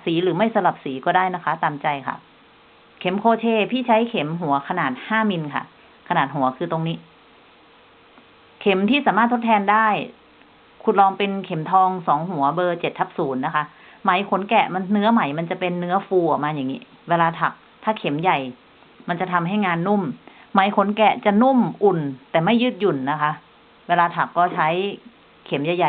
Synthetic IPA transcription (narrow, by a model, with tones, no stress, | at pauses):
siː˩˦ɾɯː˩˦ma˥˩jsa˧mla˨˩p̚siː˩˦kɔː˥˩daː˥˩jna˦˥kʰa˦˥t̪aː˨mt͡ɕa˧jkʰa̰˥˩ʔ | kʰe˩˦mkʰoː˧t͡ɕʰeː˧pʰiː˥˩t͡ɕʰa˦˥jkʰe˩˦mɦu˨˩˦ɐkʰa˧naː˨˩t̪̚haː˥˩mi˧nkʰa̰˥˩ | kʰa˧naː˨˩t̪̚ɦu˨˩˦ɐkʰɯː˧t̪o˧ŋniː˦˥ | kʰe˩˦mt̪ʰiː˥˩saː˨˦maː˥˩t̪ːʰo˥t̪ʰɛː˧ndaː˥˩j | kʰu˨˩nlɔː˧ŋpe˧nkʰe˩˦mt̪ʰɔː˧ŋsɔː˩˦ŋɦu˨˩˦ɐbɤː˧t͡ɕe˨˩t̪ʰːa˦˥p̚suː˩˦nːa˦˥kʰa˦˥ | ma˨˩˦jkʰo˨˩˦nkɛ̰˨˩ma˧nːɯ˦˥ɐma˨˩˦jma˧nt͡ɕa˨˩pe˧nːɯ˦˥ɐfuː˧ʔɔ˨˩k̚maː˧ja˨˩ŋːiː˦˥ | weː˧laː˧t̪ʰa˨˩k̚ | t̪ʰaː˥˩kʰe˩˦mja˨˩j | ma˧nt͡ɕa˨˩t̪ʰa˧mɦa˥˩jŋaː˧nːu˥˩mː | a˩˦jkʰo˩˦nkɛ˨˩t͡ɕa˨˩nu˥˩mʔu˨˩nt̪ɛː˨˩ma˥˩jːɯː˦˥t̪̚ju˨˩nːa˦˥kʰa˦˥ʔ | weː˧laː˧t̪ʰa˨˩kːɔː˥˩t͡ɕʰa˦˥j | kʰe˨˩˦mja˨˧˩ja˨˩